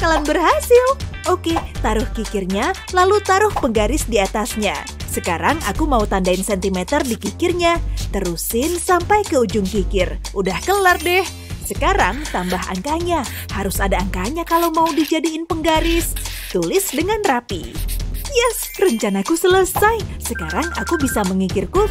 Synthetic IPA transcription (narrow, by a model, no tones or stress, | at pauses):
kalanbərɦasɪl | oket̪aɾʊhkikɪrɲa | lalut̪aɾʊhpəŋɡaɾɪsdiat̪asɲa̰ | səkaɾaŋa̰kumaut̪andaɪnsɛnt̪imɛt̪ərdikikɪrɲat̪əɾusɪnsampajkəud͡ʒʊŋkikɪrʔudahkəlardɛh | səkaɾaŋt̪ambaɦa̰ŋkaɲa | haɾʊsadaːŋkaɲakalawmaudid͡ʒadiːnpəŋɡaɾɪst̪ulɪsdəŋanrapḭ | jɛs | rəɲt͡ʃanakusələsajsəkaɾaŋakubisaməŋikɪrku